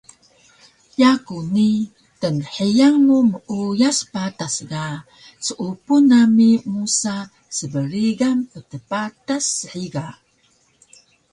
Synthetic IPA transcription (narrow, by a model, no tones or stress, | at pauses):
jakuni | tənħijaŋːuməʔujaspatasɡa | səʔupunamimusa | səbəɾiɡampətəpatasħiɡa